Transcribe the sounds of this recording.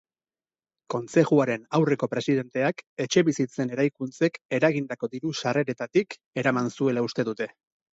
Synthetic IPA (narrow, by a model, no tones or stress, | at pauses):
ko̞nt͡se̞ʝuaɾe̞nawre̞ko̞pɾe̞siðe̞nt̪e̞ake̞t͡ʃe̞βisit͡se̞ne̞ɾajkunt͡se̞ke̞ɾaɣind̪ako̞ðiɾusare̞ɾe̞t̪at̪ik | e̞ɾamansue̞laust̪e̞ðut̪e̞